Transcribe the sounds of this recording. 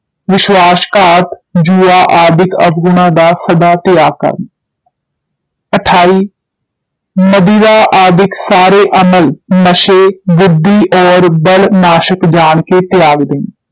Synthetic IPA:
ʋɪʃwaːʃkaːt̪d͡ʒuːaːʔaːd̪ʱɪkə̰bɡʊɽ̃ãd̪asəd̪aːt̪ɪjaːɡ̚kə̰ɾn | əʈʰaːiː | məd̪iːɾaʔaːd̪ʱɪksaːɾeʔəməlnəʃebʊd̪ʱːiʔɔːɾbəlnaːʃəkd͡ʒaːɳket̪jaːɡd̪ɪ̃ː

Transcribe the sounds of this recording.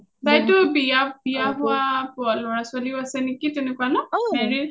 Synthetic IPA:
tajtʊbijabijaɦʊwapʊalɔɹaswaliʊasɛnekitɛnɛkuanɔmɛɹi

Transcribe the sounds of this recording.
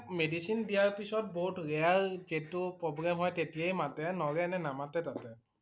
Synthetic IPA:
medisindijaɹpisɔt̚boɦutɹɛaɹzitupɹɔbɹamɦɔjtetijajmatɛnɔɹɛnɛnamatɛtatɛ

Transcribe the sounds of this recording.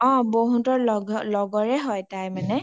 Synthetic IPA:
ɔ̃boɦutɔɹlɔɡlɔɡɔɹɛɦɔjtajmanɛ

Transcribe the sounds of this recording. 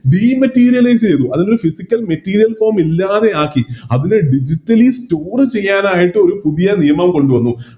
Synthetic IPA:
ɖiːmɐtːiːɾijɐlɐjs̬t͡ɕe̞jðuɐðino̞ɾufisikʲːɐlmɐtːiːɾijɐlfoːrmilːaːðe̞aːkːiɐðineɖid͡ʑitːɐlistoːrt͡ɕe̞jːaːnaːjiʈːɨo̞ɾupuðijɐnijɐmɐmko̞ɳɖuʋɐnːu

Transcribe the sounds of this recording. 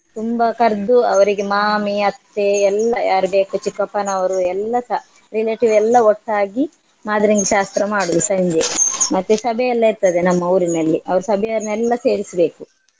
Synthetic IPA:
t̪umbɐkɐɾd̪uɐʋɐɾiɡemaːmiɐt̪ːeɛlːɐjaːɾubeːkut͡ʃikːɐpːɐnɐʋɐɾuɛlːɐsa | ɾileːʈiʋɛlːɐɔʈːaːɡi | maːd̪ɐɾiŋɡeʃaːst̪ɾɐmaːɽuʋusɐɲd͡ʒemɐt̪ːusɐbʱɛɛlːɐiɾt̪ɐd̪enɐmːɐɐwɾinɐlːiʔɐʋɐɾusɐbʱɛjɐɐɾinɛlːɐse̞ːɾisɐbe̞ːku

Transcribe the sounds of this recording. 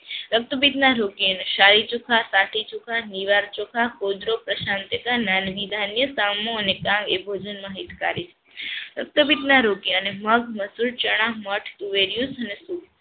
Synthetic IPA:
ɾək̚t̪əbid̪naɾokiəneʃaɾit͡ʃukʰasaʈʰit͡ʃukʰaniʋaɾt͡ʃokʰakod̪ɾopɾəʃant̪jəkananʋid̪ʱanjəsamoənekãŋɡebʱod͡ʒənmãɦit̪ka̰ɾit͡ʃʰe̥ | ɾək̚t̪əbid̪naɾokiəneməɡməsuɭt͡ʃəɽ̃ãməʈʰt̪uʋeɾjusənesuk

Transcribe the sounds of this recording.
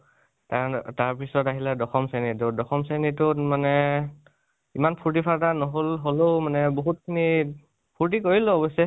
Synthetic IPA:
tataɹpisɔtaɦiladɔxɔmsanitɔdɔxɔmsanitʊmanɛ | imanpʰuɹt̬ipʰaɹtanɔɦolɦoloʊmanɛboɦut̚kʰini | pʰuɹtikoɹiloɔbɔjsɛ

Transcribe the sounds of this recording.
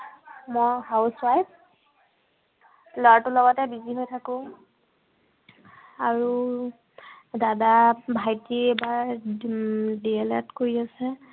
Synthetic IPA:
mojhawswajp̚ | lɔatʊlɔɡɔtɛbiziɦojtʰakʊ̃ | aɹu | dadabʱajtiebaɹ | diɛlɛ̰tkoɹiasɛ

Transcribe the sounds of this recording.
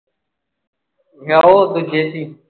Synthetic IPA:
ɦaːoːd̪ud͡ʒeːsiː

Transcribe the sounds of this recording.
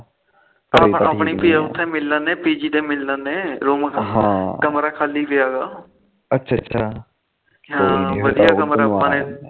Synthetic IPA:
paːpãəpɳiːpijaːʊt̪ʰːẽːmɪlːə̃nẽːpiːd͡ʒiːd̪ẽːmɪlːə̃nẽːɾoːmkːɦãkəmɾaːkʰaːliːpɪjaːɡaː | ətːʃʰːtːʃʰaː | ɦãːʋəd̪ijaːkəmɾaːpːãːnẽː

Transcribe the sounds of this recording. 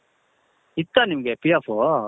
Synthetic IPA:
it̪ːanimɡepijafo

